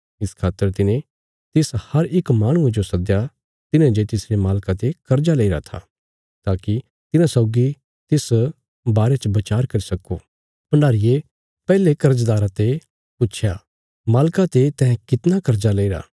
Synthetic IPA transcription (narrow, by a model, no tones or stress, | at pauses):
ɪskʰaːt̪ːəɾt̪ɪnẽ | t̪ɪshɐɾɪkmaːɽ̃ʊ̃ed͡ʒosɐd̪ja | t̪ɪnẽd͡ʒet̪ɪsɾemaːlkat̪ekɐɾd͡ʒaleiɾa̰t̪ʰa̰ː | t̪aːki | t̪ɪnãsɔːɡi | t̪ɪs | baːɾet͡ʃbɐt͡ʃaːɾkɐɾisɐko | pɐɳaːɾɪje | pɛːlekɐɾd͡ʒd̪aːɾãt̪e | pʊtːt͡ʃʰja | maːlkat̪et̪ɛ̃ɦɛ̃kɪt̪nakɐɾd͡ʒaleːiɾa̰ː